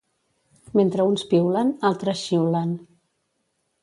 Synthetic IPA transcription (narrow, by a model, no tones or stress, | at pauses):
ment̪ɾəunspiwlənalˠt̪ɾəsʃiwlən